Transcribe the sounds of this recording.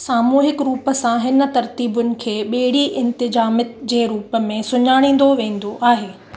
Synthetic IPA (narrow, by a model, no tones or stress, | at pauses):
saːmuːɦɪkɾuːpəsãɦɪnə̆t̪ɐɾt̪iːbʊnɪ̆kʰeːɓeɦɪɽ̤iʔɪ̃nt̪ɪzaːmɪt̪d͡ʑeːɾuːpə̆mẽsʊɲaːɽ̃ĩːn̆d̪oʋẽːn̆d̪oʔaːɦeː